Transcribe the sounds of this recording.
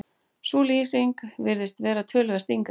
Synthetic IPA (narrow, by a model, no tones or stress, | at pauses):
suːliːsiŋkvɪɾðɪst̪vɛːɾat̪ʰœːlʏɣast̪iŋk